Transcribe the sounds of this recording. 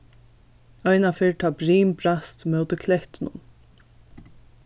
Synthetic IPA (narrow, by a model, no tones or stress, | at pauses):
ajnafɪɹt̪ʰaːpɾiːmpɾast̪mœwt̪ɪkʰlɛht̪ɪnʊ̰n